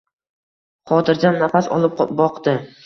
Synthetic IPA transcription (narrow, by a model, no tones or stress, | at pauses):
qʰɒt̪ɪɾd͡ʒanːafasɒ̰lˠɪp̚bɒqd̪ɪ